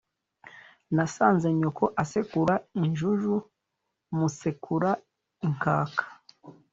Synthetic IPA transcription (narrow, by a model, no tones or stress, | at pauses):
nasaːnzeɲokʰoʔasekuɾaiɲʒuʒu | musekʰuɾa | iŋkʰa̰ːkʰḁ